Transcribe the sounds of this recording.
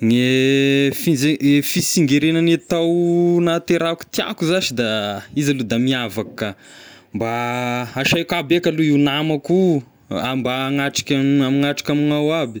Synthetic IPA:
ŋe | fizeefisiŋɡeɾenanet̪awnat̪eɾaku̥t̪ia̰kuzaʃid̪aizalud̪amiavakkːa | mbaaʃajkabekaluiwnamaku | ambaŋaʈ͡ʂḁkʲaamiŋaʈ͡ʂḁkʲaminawabi̥

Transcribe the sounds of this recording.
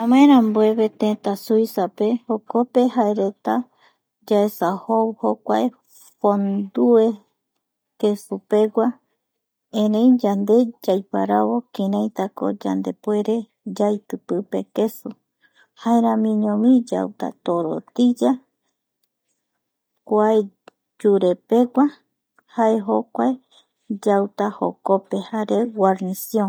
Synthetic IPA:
ãmãeɾãmbwe̞βe̞t̪ẽt̪asujsape̞hokope̞haeɾe̞t̪a | d͡ʒaesahoβhokʷae | fond̪ue̞ | ke̞supe̞ɡwa | ẽɾẽjd͡ʒand̪e̞d͡ʒajpa̰ɾaβo̞kĩɾãjt̪ako̰d͡ʒa̰nd̪e̞pue̞ɾe̞ | d͡ʒajt̪ɨpɨpe̞ke̞su | haeɾãmĩɲõmĩd͡ʒa̰wt̪a̰t̪oɾo̰t̪id͡ʒa | kʷae | d͡ʒuɾe̞pe̞ɡʷa | haeɦo̞kʷae | d͡ʒawt̪aho̰kope̞haɾe̞ɡʷaɾnisiõ

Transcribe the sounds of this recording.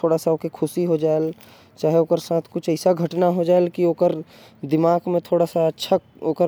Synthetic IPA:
t̪ʰoːɽasaoːkekʰʊsiɦod͡ʒaːel | t͡ʃaːɦɛoːkəɾsãːt̪ʰkʊt͡ʃʰəɪsaɡʱəʈnaɦod͡ʒaːelkioːkəɾ | d̪ɪmaːɡmẽt̪ʰoːɽasaətːʃʰa | o̰ːkə

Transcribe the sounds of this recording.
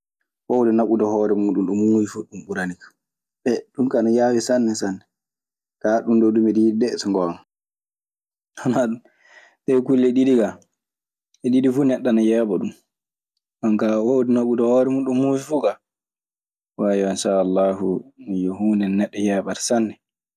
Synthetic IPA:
wowdɛnaɓudɔhɔːɾɛmuːɗunɗumːufifuɗumɓuɾanikḁ | bɛɗumkanɔjaːwisanːɛsanːɛ | kaɗundodumididɛsɔŋɡɔna | hɔnaɗum | sɛkulːɛɗidiɡa | ɛɗidifunɛɗːanajɛːɓɔɗum | ɓankawowdɛnaɓudɔhɔːɾɛmuɗumːufifuɡa | wajɔinʃaːlːaɦumijɔhunɛnɛɗːɔjɛːɓaɾsanːɛ

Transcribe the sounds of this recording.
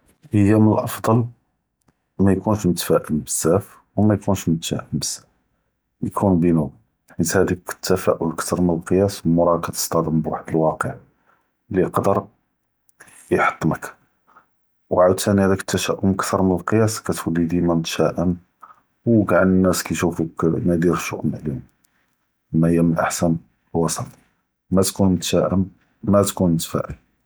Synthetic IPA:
ʔəjːæməlʔɑfd̪ˤɑl | mæjkunʃmʊt̪fæʔəmbəzːæf | wmæjkunʃmʊt̪fæ̰ʔəmbəzæ | jkʰunbinu | ħit̪hæd̪ikə̥t̪ːæfæʔʊlkt̪ʰɑɾˤmənəlqəjæsmʊɾˤɑkæt̪ə̥st̪ɑd̪əmbwa̰ħd̪əlwɑqəʕ | lːiqd̪əɾ | jħɑ̥t̪ˤːmək | wʕad̪̚t̪ːænihæd̪ækət̪ːæʃæʔʊmkt̪əɾˤmənəlqəjæskæt̪wəlːid̪imænt̪ʃæʔəm | wɡaʕnənːæskæjʃufuknæd̪iɾʃṵʔmʕlim | mæhəjːæmənʔaħsæn | lwɑsɑt̪ | mæt̪kunmt̪ʃæʔəm | mæt̪kunmət̪fæ̰ʔə̰l

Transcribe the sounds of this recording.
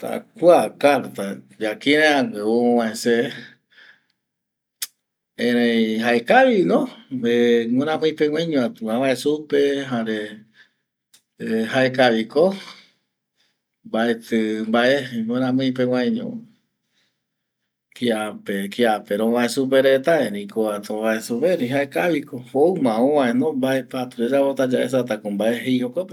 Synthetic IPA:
t̪a̰kuakaɾt̪a | d͡ʒakĩɾẽãɡeoõwãẽse | ẽɾẽĩɦaekaʋinõɾeŋõɾ̃ãmɨ̃j̃pewãɲõãt̪ɨãβaesupeɦaɾe | haekaβiko | mbaet̪ɨmbaʔeŋõɾ̃ãmɨ̃ĩp̬ew̃ãjɲõ̰ | kiapekiapeɾõβaesup̬eɾet̪aeɾĩkoat̪oβaesupeɾĩɦaekaβikohoɨmãõʋãẽnõmbaepat̪uɾed͡ʒapot̪ad͡ʒaes̬at̪̬akombaeɦejhokope

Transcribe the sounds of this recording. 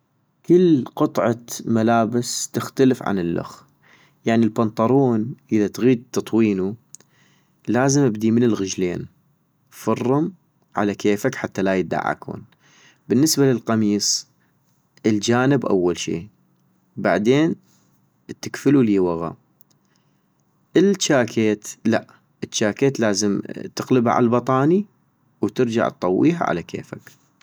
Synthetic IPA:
kəlːqɨt̪ˤʕɑmalaːbɪst̪ɪxt̪alɪfʕa̰nɪlːʊ̰x | jaʕnilbɑnt̪ˤɑɾˤuːnʔəðat̪ɣiːd̪̚t̪ːɑt̪ˤwiːnu | laːzɪmʔɪb̚d̪imɪnɪlɣɪd͡ʒlḛːn | fɑrˤːʊm | ʕa̰lakeːfakħat̪ːalajɪd̪a̰ʕa̰khṵːn | b̥ɪnːɪsbalɪlqɑmiːsˤ | ʔɪld͡ʒaːnɪbʔa̰wːalʃḭː | ba̰ʕd̪eːn | t̪ːɪkfɪluliːwaɣa̰ | ʔɪlt͡ʃːaːkʰeːt̪laʔ | ʔət͡ʃːaːkeːt̪laːzəmt̪ɪɣləba̰ʕa̰lbɑt̪ˤɑːni | wt̪ɪɾd͡ʒa̰ʕt̪̚t̪ˤɑwːḭːɦa̰ʕa̰lakʰḛːfa̰k

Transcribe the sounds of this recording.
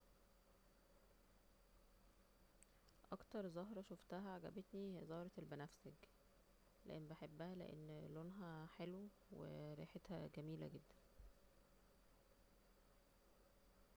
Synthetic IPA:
ʔɑkt̪ɑɾˤzɑɦɾˤɑʃoft̪æɦæʕaɡæ̰bet̪nihezɑːɾˤɑelbænæfsæk | lḛʔenbeħebːæhælḛʔḛnːlonɦæħelwe | wḛɾḭːħet̪hæɡæmiːlæ̰ɡed̪ːæn

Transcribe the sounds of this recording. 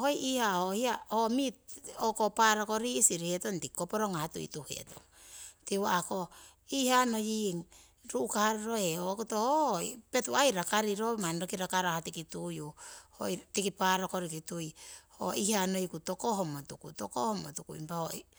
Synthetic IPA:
hojʔihaohiaomitokopaɾoko̞ɾisiɾiheto̞ntikːopo̞ɾoŋahatṵḭtuhḛto̰ŋ | tiwaako | ihano̞jiŋ | ɾuʔːkahaɾiɾoeokutohope̞tuajɾakaɾiɾomanɾokiɾakaɾahatikitujuho̰jtikipaɾoko̞ɾikitujho̰ihano̞jkuto̞koɦomotukutokohomotukṵḭmpaho

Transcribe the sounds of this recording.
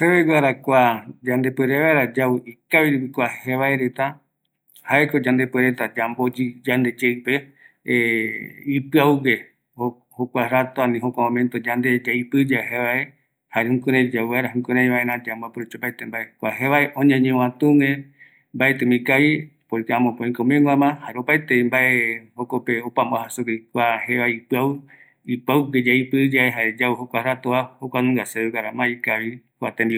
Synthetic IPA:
seβeɡʷaɾakʷad͡ʒãnd̪epweɾeβaeɾad͡ʒauikaβiɾupikʷaheβaeɾet̪a | haekod͡ʒand̪epeɾet̪ad͡ʒambod͡ʒid͡ʒand̪ed͡ʒeɨpe | ipɨauɡe | ho | hokʷaɾat̪oanĩɦokʷamõmẽnt̪od͡ʒand̪ed͡ʒaipɨd͡ʒaheβae | haɾehũkuɾẽd͡ʒawaɾaɦũŋkuɾẽj̃βaenãd͡ʒambapuɾut͡ʃopajt̪embaekʷaɦeβaeʔõɲãɲẽw̃ãt̪ũŋẽ | mbaet̪ɨ̃mĩkaβipoĩkaãmõpõĩkomẽŋɡʷamãhaɾeopajt̪eimbaehokopeopãmboahasukikʷaheʋaipɨaw | ipawked͡ʒaipɨd͡ʒaeɦaɾed͡ʒauhokʷaɾat̪oahokʷanũŋɡaseekaɾamãikaβikat̪embi

